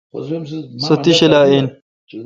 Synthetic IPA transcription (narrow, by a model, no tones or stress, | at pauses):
sɐt̪iɕelaːin